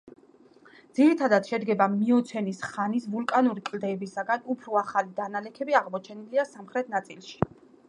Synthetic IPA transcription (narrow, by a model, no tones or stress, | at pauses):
d̪z̥iɾit̪ʰad̪at̪ʃɛd̪ɡɛbamiɔt̪sʰɛnisχanisvulˠkʼanuɾikʼld̪ɛːbisaɡanupʰɾɔaχalid̪analɛkʰɛbiaʁmɔt͡ʃʰɛniliasamχɾɛt̪ʰnat̪sʼilˠʃi̥